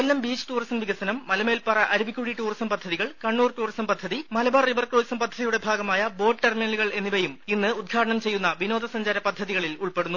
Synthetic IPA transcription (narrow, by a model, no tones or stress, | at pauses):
ɐlːɐmbiːt͡ɕːɨ̥ʈuːrisɐnʋiɡɐsɐnɐmːɐlɐmeːlpɐrɐʔɐɾubʱikʲːuɽiʈuːrisɐmpɐd̪ʱːɐðiɣɐɭkɐɳːuːrʈuːrisɐmpɐd̪ʱːɐðimɐlɐbɐrriʋɐrkroːsɐmpɐd̪ʱːɐðijuɽe̞bʱaːɡɐmaːjɐbo̞ːɖʈerminɐlɣɐɭe̞nːiʋɐjuminːɨud̪̚ɡʰʱaːʈɐɳɐmt͡ɕe̞jːunːɐʋino̞ːd̪ɐsɐɲd͡ʑaːɾɐpɐd̪ʱːɐðiɣɐɭiluɭpe̞ɽunːu